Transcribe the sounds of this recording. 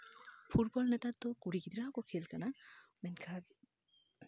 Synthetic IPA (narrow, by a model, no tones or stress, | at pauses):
pʰuʈ̚bɔlnɛt̪at̪ːɔkuɽikid̪ɾakɔkʰelkanamɛnkʰaɾ